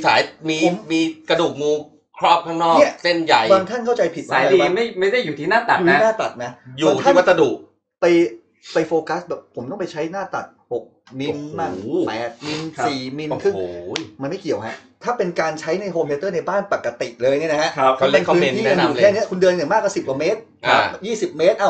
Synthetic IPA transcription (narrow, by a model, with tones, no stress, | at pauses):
sa̰ː˩˦jmiː˧o˦mmiː˧kɾa˧duː˨˩k̚muː˧ | kʰɾɔː˥˩p̚kʰa˥˩ŋnɔː˥˩ni˥˩ɐse˥˩nja˨˩jba˧ŋt̪ʰa˥˩nkʰa˥˩wt͡ɕa˧jpʰi˨˩t̪̚maaː˦˨˦i˧waː˥ma˥˩jma˥˩jda˥˩jːuː˨˩t̪ʰiː˥˩naː˥˩t̪a˨˩tn˦˥˦naː˥˩t̪a̰˨˩t̪̚na˦˥juːa˨˦˩t̪ʰːma˧˩sa˧duː˨˩k̚ | pa˧j | pa˧jfoː˧ka˦˥sbɛː˨˩ppʰo˩˦mt̪ɔ˥˩p̬a˧jt͡ɕʰa˦˥jnaː˥˩t̪a̰˨˩t̪̚ho˨˩k̚ | mi˧nmaː˥˩ŋɛː˦˥t̪̚mi˧nsiː˨˩mi˧nkʰɯ˥˩ma˧nma˥˩jki˨˩əwɦa˦˥ʔt̪ʰaː˥˩pe˧nkaː˧nt͡ɕʰa˦˥jna˧jɦoː˧mʰeː˧t̪ɤː˥˩na˧jbaː˥˩npa˨˩kːa˧t̪ḭ˨˩ʔlɤː˧jni˥˩na˦˥kʰa˦˥kʰa˦˥kʰa˦le˥˩ŋkʰɯː˦˧iː˥aː˧˨˩ɛː˥˨ni˦˥ɐkʰu˧ndɯ˧ni˨˩maː˥˩k̚waː˥˩si˨˩p̚kwa˨˩meː˦˥t̪̚ | a˧˦˩jiː˥˩si˨˩p̚meː˦˥t̪̚ʔaː˧˩w